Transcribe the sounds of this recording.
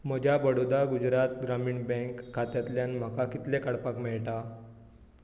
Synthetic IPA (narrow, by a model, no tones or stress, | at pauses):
m̤əd͡ʑʱjabəɽod̪aɡud͡ʑɾat̪̚ɡɾamiːɳbɛ̃ŋkʰːat̪jat̪ljanm̤əkakit̪lekaɽpakmɛɭʈa